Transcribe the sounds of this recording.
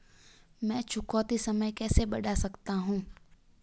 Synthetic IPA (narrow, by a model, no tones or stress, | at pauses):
mɛ̃ːt͡ʃʰʊkɔːt̪isɐməjkɛːsebɐɖasɐkt̪aɦũː